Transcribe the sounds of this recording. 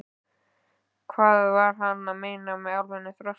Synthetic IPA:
kʰvaːðvaɾ̥hanːaðmeːjnamɛðawɾvɛnɪθɾœ

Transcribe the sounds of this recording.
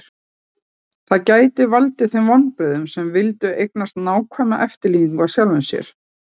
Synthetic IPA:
θaðcaːjt̪ɪvalt̪ɪθɪmvɔnːpɾɛðʏmsɛmvɪlt̪ʏejk̚nast̪naːwkʰvana̰ʔɛft̪ɪɾliːniŋkvasjawlvʏmsjɛ̰ɾ̥

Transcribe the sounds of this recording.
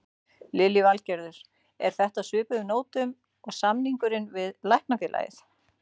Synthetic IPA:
lɪlivalcɛɾðʏɾ̥ | ɛ̰ɾ̥θɛht̪aðsʏːpʏðʏnoːwt̪ʏm | ɔɣsamniŋkʏɾɪnvɪðlajhknafɪːlʔa̰jɪ̰θ

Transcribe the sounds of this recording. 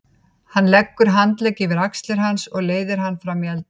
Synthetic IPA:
hanːlɛkːʏɾ̥ɦant̪lɛcːɪvɪɾakst̪lɪɾ̥ɦansɔɣleːjðɪɾ̥ɦanːfɾamialt̪

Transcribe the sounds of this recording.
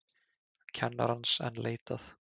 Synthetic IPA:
cʰɛnːa̰ɾansɛ̰nlʔeːjt̪aθ

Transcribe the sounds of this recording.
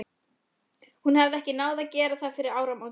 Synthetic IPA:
hunhavðɪɛhcɪnaːwðacɛːɾaθaðfɪɾɪɾaːwɾamaw

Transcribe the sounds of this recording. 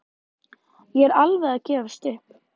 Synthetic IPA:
jɛɾalvɛðacɛːvast̪ɪhp

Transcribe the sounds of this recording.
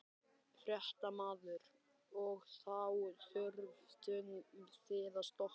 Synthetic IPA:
fɾjɛht̪amaːðʏɾ | ɔɣθawθʏɾvt̪ʏnθɪːðast̪ɔh

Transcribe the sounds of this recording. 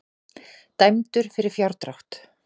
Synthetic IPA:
t̪ajmt̪ʏɾ̥fɪɾɪɾ̥fjawɾt̪ɾawht̪

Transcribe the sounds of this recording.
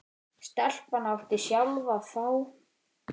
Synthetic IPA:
st̪al̥panawft̪ɪsjalvaθaw

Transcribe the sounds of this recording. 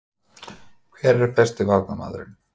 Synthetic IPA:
kʰvɛɾɛɾ̥pɛst̪ɪvavkama̰ːðɾɪ̰n

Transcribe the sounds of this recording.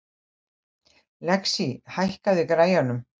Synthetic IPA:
lɛksihajhkaðɪkɾaːjanʏm

